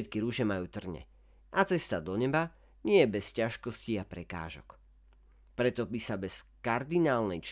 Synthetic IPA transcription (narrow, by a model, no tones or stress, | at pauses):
t̪kiɾuʒɛmajuːt̪r̩ɲɛ̰ | ʔat͡sɛst̪ad̪ɔɲɛba | ɲɪɛjɛbɛscaʃkɔsciapɾɛka̰ːʒɔ̰k | pɾɛt̪ɔbisabɛskaɾd̪inaːlnɛjt͡ʃ